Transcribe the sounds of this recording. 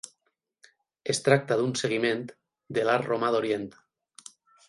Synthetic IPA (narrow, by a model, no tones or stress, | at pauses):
est̪ɾak̚t̪aðunseɣimẽnt̪ | d̪elaɾromaðoɾjent̪